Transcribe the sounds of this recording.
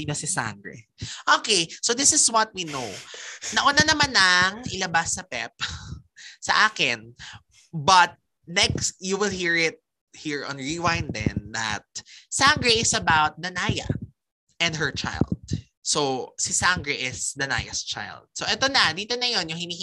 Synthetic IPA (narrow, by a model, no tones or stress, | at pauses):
nɐsɪsa̰ŋɡɹɛ̰ | ʔokejsoðɪsɪswɐt̪̚winonɐʔʊnanɐmanɐŋɪlɐbasːɐpɛp̚ | sɐʔaːkɪn | bɐt̪̚ | nɛkst̪juwɪlhiɹɪt̪̚ | hiɹɔ̰̃nɹiwãjnd̪ɛ̰nd̪ɐ̰t̪̚saŋɡɹɛʔɪsɐbawt̪̚d̪ɐnajɐ̰ | ʔɛ̃nd̪ɦɛ˞t͡ʃa̰jɪld̪̚ | sosɪsaŋɡɹɛʔɪsd̪ɐna̰jɐ̰st͡ʃa̰jld̪̚soʔɛt̪onɐd̪iːt̪onɐjo̞njʊŋhɪniːh